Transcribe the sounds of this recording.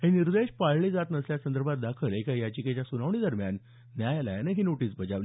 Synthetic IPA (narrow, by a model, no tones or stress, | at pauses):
heniɾd̪eɕpaɭɭid͡zat̪nəsljasənd̪əɾbʱat̪̚d̪akʰəlekajat͡ɕiket͡ɕjasunaʋɳid̪əɾmjanː | jajalajaneɦinoʈiːsbəd͡zaʋ